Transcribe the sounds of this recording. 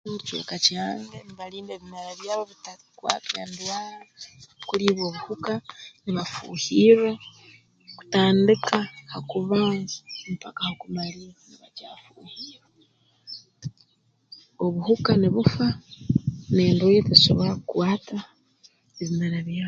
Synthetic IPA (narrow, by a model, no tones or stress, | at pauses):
t͡ʃo̰ːkacaːŋɡeniβaliːndeːβimeɾaβjaːβoβita | kwa̰ːtendwaːlakuliβo̞ːβuhukaniβafṵːhiɾe̞ | ku̥taːndikahakuβampakahokumaliniβaca̰ːfuːhiːɾe | oβuhukaniβufa | neːndweteso̰βoɾakukwaːta | eβimeɾaβjaː